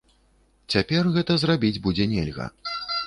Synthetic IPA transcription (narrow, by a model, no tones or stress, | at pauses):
t͡sʲapʲɛrɣɛt̪ɐzrabʲid͡zʲbud͡zʲɛnʲɛ̰lʲɣɐ̰